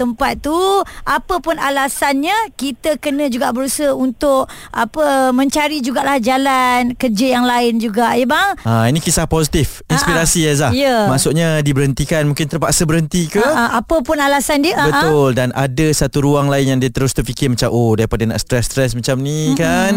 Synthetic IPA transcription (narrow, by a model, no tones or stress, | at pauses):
t̪əmpat̪̚t̪ːuʔapəpʊnalasanɲakit̪əkənə̃d͡ʒuɡaʔbəɾusəunt̪ʊʔ | ʔapəmə̃ɲt͡ʃaɾid͡ʒuɡaʔlahd͡ʒalankərd͡ʒəjaŋlaɪnd͡ʒuɡaʔebaŋainĩkisahposit̪if | inspiɾasiaahjəmasʊʔɲadibəɾənt̪ikanmũŋkɪnt̪ərpaʔsəbəɾənt̪ikəapəpʊnalasandiəʔabət̪ʊldanʔadəsat̪uɾuaŋlaɪnjaŋdiat̪əɾʊst̪ərfikɪrmə̃t͡ʃamʔodaɾipadana̰ʔst̪ɾɛst̪ɾɛsmət͡ʃamnĩkan